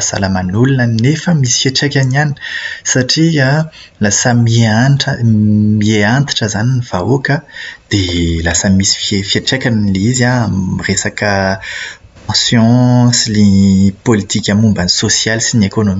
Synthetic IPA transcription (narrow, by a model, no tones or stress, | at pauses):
za̰ləmanulunənefəmisi̥faʈ͡ʂekʲaniani̥saʈ͡ʂia | lasəmiaʈ͡ʂəmieant̪ḁʈ͡ʂəzaniniv̥aokəd̪̥elasəmisi̥fefiaʈ͡ʂekʲanilizaresakə | pɑ̃sjɔ̃slepolit̪ikʲamumbanisosjalsinekonomi